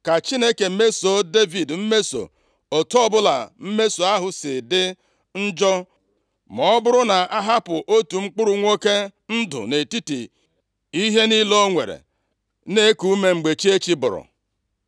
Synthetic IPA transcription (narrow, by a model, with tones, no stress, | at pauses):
ka˨t͡ʃi˦ne˦ke˨˦me˦so˨de˦vi˨dm̩˦me˦so̰˨ | o˨tɔ˦bʊ˦la˨m̩˦me˦so˨a˦ɦʊ˨sɪ˨dɪ˦ | n̩˦d͡ʒɔ˦ | mɔ˨˦bʊ˦ɾʊ˦na˨a˦ɦa˦pʊ˨ʔo˦tu˨ŋ͡m̩˦k͡pʊ˦ɾʊ˨ŋʷo˦ke˦n̩˦dʊ̰˨ne˨ti˦tḭ˨ | i˦ɦe˦ni˦lo˦ŋʷḛ˨ɾḛ˨ | ne˦ku˨u˦me˦ŋ͡m̩˨ɡ͡be˨t͡ʃi˦e˦t͡ʃi˦bʊ̰˨ɾʊ̰˨